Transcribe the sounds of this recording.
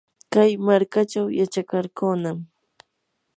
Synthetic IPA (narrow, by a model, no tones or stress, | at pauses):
kajmaɾkat͡ʃawjat͡ʃakaɾkonam